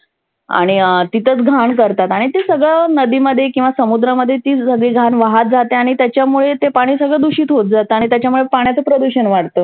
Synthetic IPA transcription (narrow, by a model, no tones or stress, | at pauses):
a̰ɽ̃it̪it̪ət͡sɡʱankəɾt̪at̪aɽ̃it̪esəɡɭanəd̪iːməd̪ʱːjekĩw̃ʋasəmud̪ɾaməd̪ʱːjet̪iːsəɡɭiːɡʱanʋaɦat̪̚d͡zat̪eaɽ̃it̪jat͡ɕjamuɭet̪epaɽ̃iːsəɡɭəd̪uɕiːt̪ɦot̪̚d͡zat̪əaɽ̃it̪jat͡ɕjamuɭepaɽ̃jat͡səpɾəd̪uɕənʋaɽt̪ə